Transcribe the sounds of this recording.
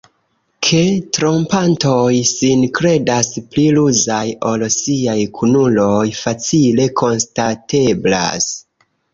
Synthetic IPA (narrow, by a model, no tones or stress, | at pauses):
kʰe̞tɾo̞mpanto̞jsinkɾe̞daspliluzajo̞lsiajkʰunulo̞jfat͡sile̞kʰo̞nstate̞bla̰s